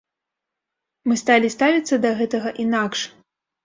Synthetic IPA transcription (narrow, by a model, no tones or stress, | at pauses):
mɨst̪alʲist̪avʲit̪sːɐd̪ɐɣɛt̪ɐɣɐʔinakʂ